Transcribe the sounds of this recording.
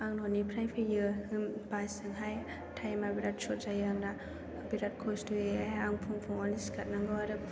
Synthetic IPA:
aŋnɔnipʰɾajpʰijɯhɯmbasɯŋɦaj | tʰajmabiɾat̚sɔɾzajaŋna | biɾat̚kʰɔstɯeaaŋpʰuŋpʰuŋɔniskat̚naŋɡɯwaɾɯp̚

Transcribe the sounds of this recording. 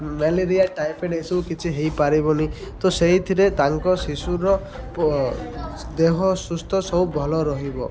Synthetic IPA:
meleɾijaʈajpʰeɖesɔbukit͡ʃʰiɦejpaɾibɔni | t̪oseɦit̪ʰiɾet̪aŋkɔsisuɾɔ | d̪eɦɔsust̪ʰɔsɔubʱɔlɔɾɔɦibɔ

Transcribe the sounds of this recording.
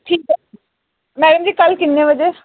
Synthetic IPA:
ʈʰiːkɛ | mɛːɖəmd͡ʒiːkəlkɪnːeːʋəd͡ʒeː

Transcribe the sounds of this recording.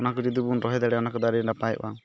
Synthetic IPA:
ɔnakɔd͡ʒid̪ubunɾɔɦɛd̪aɽɛɔnakɔd̪aɾiɾɳɖapaj̰ba

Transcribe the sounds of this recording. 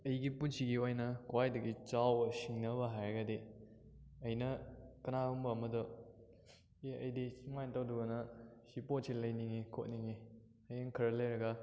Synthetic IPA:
ɐjɡipunsiɡiojnɐkwajdɐɡit͡ʃawɐsiŋnɐbɐɦajɐɡade | ɐjnɐkɐnaumbɐːmɐdɔ | eɐjdisimajntawduɡɐnɐsipot̚silɐjniŋekʰot̚niŋe | ɐjeŋkʰɐɾɐlejɾɐɡa

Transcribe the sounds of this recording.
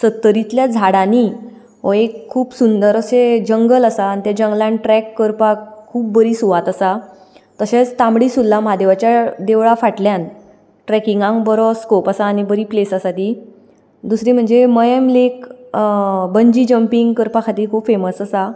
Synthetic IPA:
sət̪ːəɾit̪ljad͡zʱaɽani | ɦɔekʰːuːpsund̪əɾəsed͡ʑəŋɡələsaːnit̪jad͡ʑə̃ŋɡlãɳʈɾɛkːəɾpakʰuːp̚ːbəɾiːsuʋat̪sa | t̪əɕet͡st̪ãmɽiːsulːamad̪eʋat͡ɕjad̪eʋɭafaʈljãn | ʈɾɛkiŋɡãŋkbəɾɔskopasaːñibəɾiːplesəsat̪i | d̪usɾĩm̤əɳd͡zeməjə̃mlek | bəɲd͡ʑiːd͡ʑəmpiŋɡkəɾpakʰat̪iːkʰuːpfeməsəsa

